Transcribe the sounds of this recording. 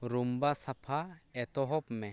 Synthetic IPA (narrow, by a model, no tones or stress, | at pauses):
ɾumbasapʰaɛt̪ɔɦɔpmɛ